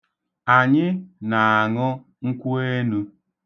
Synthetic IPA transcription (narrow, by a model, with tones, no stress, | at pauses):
a˨ɲɪ˦na˨a˨ŋʊ˦ | ŋ̩˦kʷu˦e˦nu˦